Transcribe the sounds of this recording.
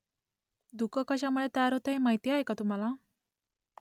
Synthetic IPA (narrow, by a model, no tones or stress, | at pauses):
d̪ukəkəɕamuɭet̪əjaɾɦot̪eɦẽmaɦjt̪iaɦekat̪um̤ala